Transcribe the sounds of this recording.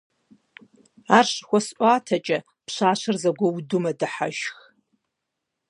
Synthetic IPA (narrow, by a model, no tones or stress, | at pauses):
aːrɕxʷɔsʔʷʼaːtʰɐt͡ʃʼɐ | pɕʷaːɕɨrzɐɡʷɔwudumɐdɨħa̰ʃx